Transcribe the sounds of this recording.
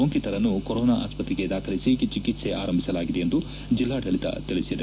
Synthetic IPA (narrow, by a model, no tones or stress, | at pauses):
oŋkit̪ɐɾɐnːukoɾoːnaʔa̰ːspɐt̪ːɾiɡe̞d̪aːkʰɐlisit͡ʃikit̪se̞ʔaːɾɐmbʱisɐlaːɡid̪eend̪u | d͡ʒilːaːʈɐɭit̪ɐ̰t̪iɭisid̪ɐ